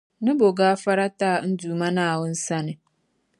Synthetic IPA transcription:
nɪ̃˦bo˨ɡaː˦fa˦ɾa˦taː˦˨n̩˦duː˨mã˦nã˦˨wʊ˦n̩˦sa˦nɪ̃˨

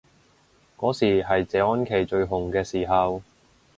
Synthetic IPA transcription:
kɔː˨˥siː˨˩ɦɐ˨jt͡sɛː˨˧ɔː˥nkʰe˨˩jt͡ʃɵ˧ɥɦʊ˨˩ŋkɛː˧siː˨˩ɦɐ˨w

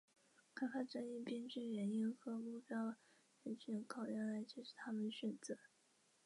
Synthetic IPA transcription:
kʰa˥˩fʰa˨˩ʈ͡ʂə˥ni˥˩pi˥nʈ͡ʂɻ̩˥˩ɥɛ˧˥ni˥nxɤ˧˥mu˥˩pjɑ˥ʊ | ə˧˥nt͡ɕʰɛ˧˥kʰɑ˨˩ʊja˥ŋla˧˥ɪt͡ɕjɛ˥ʂɻ̩˥˩t̪ʰa˥mə˨nɕɥɛ˨˩nt͡sɤ˧˥

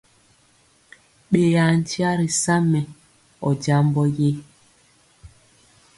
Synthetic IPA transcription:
ɓe˨ja˨n̩˨ti˦a˦ɾi˨sa˦mɛ˨ | ɔ˨d͡ʒa˦mbɔ˦je˦

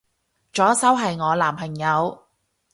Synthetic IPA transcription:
t͡ʃɔː˨˥sɐ˥wɦɐ˨jŋɔː˨˧laː˨˩mpʰɐ˨˩ŋjɐ˨˧w

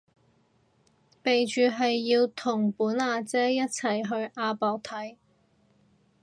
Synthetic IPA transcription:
pe˨jt͡ʃyː˨ɦɐ˨jːiː˧wt̪ʰʊ˨˩ŋpuː˨˥naː˨˧t͡sɛː˥jɐ˥t̚t͡sʰɐ˨˩jɦɵ˧ɥʔaː˧pɔː˨k̚t̪ʰɐ˨˥j

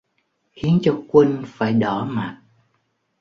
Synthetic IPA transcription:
xi˨˦ənt͡ɕɔ˧kwi˧ŋfaː˧˩jɗɔ˧˩ma˨t̚

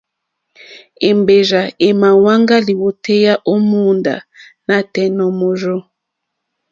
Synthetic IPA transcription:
e˨mbe˨ʒa˨e˨ma˨wa˦ŋɡa˦li˨wo˨te˦ja˦ʔo˦mu˦nda̰˨ | na˨tɛ˨nɔ˨mo˨ʒo˦

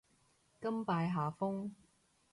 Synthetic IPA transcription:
kɐ˥mpaː˧jɦaː˨fʊ˥ŋ

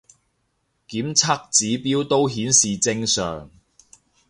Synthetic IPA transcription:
kiː˨˥mt͡sʰa˥k̚t͡siː˨˥piː˥wt̪o˥wɦiː˨˥nsiː˨˩t͡sɪ˧ŋsœ̰ː˨ŋ

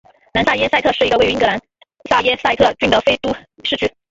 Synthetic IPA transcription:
na˧˥nsa˥˩jɛ˥sa˥˧ɪt̪ʰɤ˥˧ʂɻ̩˥˩i˧˥ɡə˧we˥˩˧i˥ŋɡɤ˧˥la˧˥n | sa˥˩jɛ˥sa˥ɪt̪ʰɤ˥˧t͡ɕy˥nd̪ə˧˩fe˥ɪt̪u˥ʂɻ̩˥˧t͡ɕʰy˥˩

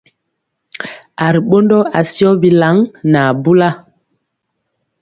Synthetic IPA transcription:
a˨ɾi˨ɓo˦ndɔ˦a˨si˦ɔ˦bi˨la˨˦ŋna˨bu˦la˦

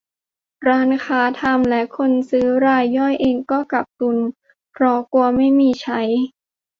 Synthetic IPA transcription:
ɾaː˧˥nkʰaː˩˦˥t̪ʰa˧mlɛ˦˥kʰo˧nsɯː˦˥ɾaː˧jːɔ˥˩jʔeː˧ŋkɔː˥˩ka˨˩p̚ku˧n | pʰɾɔ˧˥ku˧ɐma˥˩jmiː˧t͡ɕʰa˦˥j

